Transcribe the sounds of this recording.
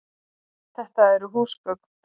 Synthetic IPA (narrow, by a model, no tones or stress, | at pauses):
θɛht̪aɛɾʏɦuːskœk̚n